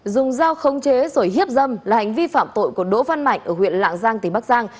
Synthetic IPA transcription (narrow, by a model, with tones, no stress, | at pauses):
zʊ˨˩ŋ͡mzaː˧wxə˨˦wŋ͡mt͡ɕe˨˦zo˧˩jhi˦˥əp̚zə˧mlaː˨˩ha˨˩jŋ̟vi˧fa̰ː˧˨mt̪o̰˧˨jku˧˩əɗo̰˧˥va˧nma̰˧˨jŋʔəː˧˩hwḭ˧˨ənla̰ː˧˨ŋzaː˧ŋt̪i˨˩ɓa˦˥k̚zaː˧ŋ